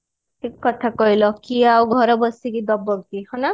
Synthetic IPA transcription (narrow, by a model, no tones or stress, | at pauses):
ʈʰikːɔt̪ʰakɔɦilɔkiawɡʱɔɾɔbɔsikid̪ɔbːɔɡt̪ihɔna